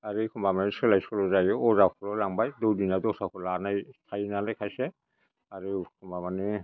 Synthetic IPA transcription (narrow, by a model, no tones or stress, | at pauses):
aɾikʰɔmbamanɛsɔlajsɔlɔzajɔɔzakʰɔɹɔlaŋbajdɔwdinadɔsakʰɔlanajtʰajnalɛkʰajsɛ | aɾukʰɔmbamanɛ